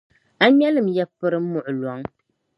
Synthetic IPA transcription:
a˦mɛ˦lɨ˦˨m̩jɛ˦pɨ˦ɾɨ˦m̩˦mʊ˨ʔʊ˨lɔ˨˦ŋ

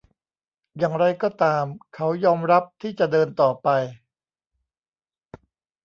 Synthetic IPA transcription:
jaː˨˩ŋɾa˧jkɔː˥˩t̪aː˧mkʰa˦˥wjɔː˧mɾa˦˥p̚t̪ʰiː˥˩t͡ɕa˨˩dɤː˧nt̪ɔː˨˩pa˧j

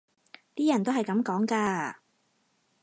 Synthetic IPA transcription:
t̪iː˥jɐ˨˩nt̪o˥wɦɐ˨jkɐ˨˧˥mkɔː˨˥ŋkaː˧

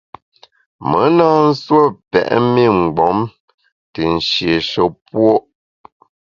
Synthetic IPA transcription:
mə˨˦naː˦n̩˦swə˦˨pɛ̰˨ʔme˦˨ŋ͡m̩˨ɡ͡bɔ˨˦m | tə˨n̩˨ʃje˨ʃə˨˦pwo˦ʔ

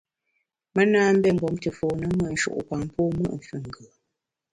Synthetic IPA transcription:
mə˦naː˦m̩˦bɛ˦ŋ̩˨bɔ˨˦mtɨ˨foː˨nə˦mə˦˨ʔn̩˦ʃṵ˦˨ʔpa˨ŋpoː˦mə̰˦ʔɱ˨fʉ˦˨ŋ˨ɡə˨

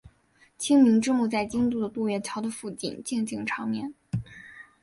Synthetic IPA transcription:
t͡ɕʰi˥ŋmi˧˥ŋʈ͡ʂɻ̩˥mu˥˧t͡sa˥˩ɪt͡ɕi˥ŋt̪u˥˩d̪ə˩t̪u˥˧ɥɛ˥˩t͡ɕʰjɑ˧˥ʊd̪ə˧fu˥˧˩t͡ɕḭ˥˩nt͡ɕi˥˧ŋt͡ɕi˥˩ŋʈ͡ʂʰɑ˧˥ŋmjɛ˥˩n

